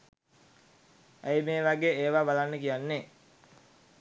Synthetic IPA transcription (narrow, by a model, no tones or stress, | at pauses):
æjmeːʋaɡeːeːʋaːbalanːəkijanːe